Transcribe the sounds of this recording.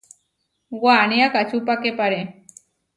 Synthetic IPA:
waniakat͡ʃupakepaɾe

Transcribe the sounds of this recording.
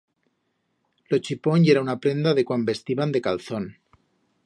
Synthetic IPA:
lot͡ʃiponeɾaunapɾend̪aðekwambest̪iβand̪ekalθon

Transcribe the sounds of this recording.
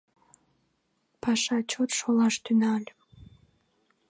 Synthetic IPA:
pʰɑʃɑt͡ɕot̪ʃolˠɑʃt̪ynɑlʲ

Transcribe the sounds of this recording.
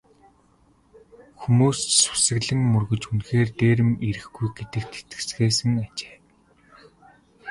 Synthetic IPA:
xumuːssʊ̥sə̆ɣɮɘ̆ŋmɵrɣɵ̆t͡ɕunxeːrt̪eːɾɘ̆miɾɘ̆xɡujɡet̪ɘ̆k̚t̪ʰe̥t̪ɘ̆t͡sɡeːsɘ̆ŋat͡ɕe̥ː

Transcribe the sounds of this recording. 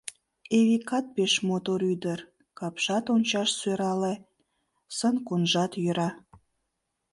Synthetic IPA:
eβikɑt̪̚peʃmot̪oɾyd̪ər | kɑpʃɑt̪onʲt͡ɕɑʃsøɾɑle | sənkunʒɑt̪jøɾɑ

